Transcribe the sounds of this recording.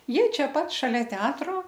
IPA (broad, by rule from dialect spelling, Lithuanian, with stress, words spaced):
ˈjiɛ ˈt͡ʃʲæːˈpɐt ʃɐˈlʲɛ ˈtʲɛɐtroː